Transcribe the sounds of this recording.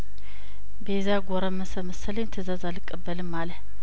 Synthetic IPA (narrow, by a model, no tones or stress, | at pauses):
bəzaɡʷoɾəməsəməsələt̪ʰəzazalɨkʼːəbːəlɨmːalə